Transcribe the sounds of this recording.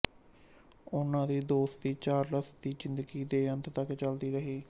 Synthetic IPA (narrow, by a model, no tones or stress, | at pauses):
ʊnãːd̪iːd̪oːst̪iːt͡ʃaːɾləsd̪iːd͡ʒɪnd̪əɡiːd̪eːənt̪t̪əkt͡ʃəld̪iːɾəɦiː